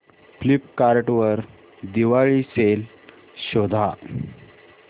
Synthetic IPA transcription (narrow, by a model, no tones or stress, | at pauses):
flipkaɾʈʋəɾ | d̪iʋaɭisel | ɕod̪ʱa